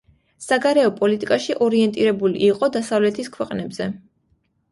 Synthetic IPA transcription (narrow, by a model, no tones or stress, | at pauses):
saɡaɾɛɔpʼɔlit̪ʼikʼaʃiʔɔɾiɛnt̪ʼiɾɛbulḭʔːqʼɔd̪asavlɛt̪ʰiskʰwɛqʼnɛbz̥ɛ